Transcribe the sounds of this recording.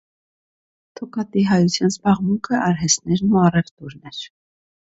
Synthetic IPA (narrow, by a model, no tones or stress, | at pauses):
t̪ʰɔkɑt̪iɦɑjut͡sʰjɑnzbɑʁmuŋkʰəʔɑɾɦɛsnɛɾnuɑrɛvt̪uɾnɛɾ̥